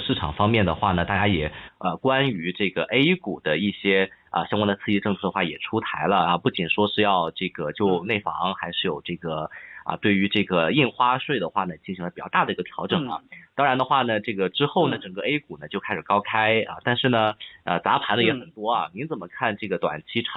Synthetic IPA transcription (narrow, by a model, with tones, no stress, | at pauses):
ʂɻ̩˥˩ʈ͡ʂʰɑ̰˨˩ŋfɑ˥ŋmjɛ˥˩nd̪ə̰˩xwa˥˩nə˩t̪a˥˩t͡ɕja˥jɛ˨˩ə˧kwa˥ny˧˥ʈ͡ʂɤ˥˩ɡə˩ʔe˥ɪku˨˩d̪ə˦i˥˩ɕjɛ˥ə̰˧ɕjɑ˥ŋkwa˥nd̪ə˧t͡sʰɹ̩˥˧i˥ʈ͡ʂɤ˥˧ŋt͡sʰɤ˥˩d̪ə˩xwa˥˩jɛ̰˨˩ʈ͡ʂʰu˥t̪ʰa˧˥ɪlə˧ɐ˧pu˥˩t͡ɕi˨˩nʂwɔ˥ʂɻ̩˥˧jɑ˥˧ʊʈ͡ʂɤ˥˩ɡə˩t͡ɕjo˥˧ʊne˥˩ɪfɑ̰˧˥ŋxa˧˥ɪʂɻ̩˥˩jo˨˩ʊʈ͡ʂɤ˥˩ɡə˩ə̰˧t̪we˥˩ɪy˧˥ʈ͡ʂɤ˥˩ɡə˩i˥˩nxwa˥ʂwe˥˩ɪd̪ə˩xwa˥˩nə˩t͡ɕi˥˩nɕi˧˥ŋləpi˨˩t͡ɕjɑ˥˧t̪a˥˩d̪ə˩i˧˥ɡə˧t̪ʰjɑ˧˥ʊʈ͡ʂɤ˨˩ŋɐ̰˩t̪ɑ˥ŋɻa˧˥nd̪ə˧xwa˥˩nə˩ʈ͡ʂɤ˥˩ɡə˩ʈ͡ʂɻ̩˥xo˥˩ʊnə˩ʈ͡ʂɤ˨˩ŋkə˧e˥ɪku˨˩nə˩˦t͡ɕjo˥˧ʊkʰa˥ɪʂɻ̩˨˩kɑ˥ʊkʰa˥ɪə̰˧t̪a˥˧nʂɻ̩˥˩nə˩ə˧˩t͡sa˧˥pʰa˧˥nlə˧jɛ˧˥xə˨˩nt̪wɔ˥ɐ̰˨˩ni˧˥nt͡sə˨˩mə˦kʰa˥˧nʈ͡ʂɤ˥˩ɡə˩t̪wa̰˨˩nt͡ɕʰi˧˥ʈ͡ʂʰ